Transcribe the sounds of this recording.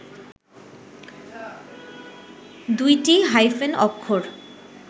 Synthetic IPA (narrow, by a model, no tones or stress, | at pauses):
d̪ujʈiɦajfenɔkʰːoɾ